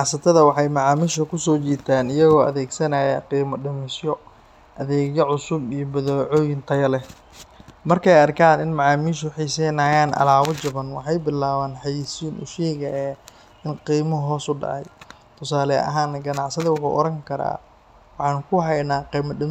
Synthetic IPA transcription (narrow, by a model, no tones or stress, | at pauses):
ʕsɐt̪ʰɐðɐwɑħɑjmɑʕɑːmiːʃɐkʰʊsɔːt͡ʃiːt̪ʰaːnɪjɐɣɔːʔɐ̰ðɛːɡsɐnɐjɐqiːmɐɖɪmɪsjɔ | ʔɐðɛːɣjɐʕʊsʊbijɞbɐðɔːʕɔːjɪnt̪ʰɐjɐlɛ | mɐrkʰɛjɐrkʰaːnɪnmɑʕaːmiːʃʊħiːsɛnaːjaːnʔɐ̰laːβɐt͡ʃɐβɐnwɑ̰ħɑjbɪlaːβaːnħɑjisiːnʔʊ̰ʃɛːɣɐjɐ | ɪnqiːmɐɦɔːsʊɖɑ̰ʕɑ̰j | t̪ʰʊsaːlɛɐ̰ɦaːnɐɡɐnɑʕsɐðɐwʊħṵːʔɔɾɐŋkʰɐɾa̰ː | wɑħɑːnkʰʊɦɛjnaːqiːmɐɖɪm